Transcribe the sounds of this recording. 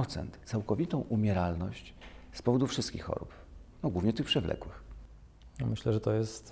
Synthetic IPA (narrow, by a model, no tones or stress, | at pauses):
ɔt̪sɛ̰nt̪t̪sawkɔvʲit̪ɔ̃w̃ʔumʲjɛɾalnɔɕt͡ɕspɔvɔd̪ufʂɘst̪kʲḭxːɔ̰ɾṵp | nɔɡwuvɲɛt̪ɘxpʂɛvlɛ̰kwɘx | nɔmɘɕlɛʐɛt̪ɔjɛst̪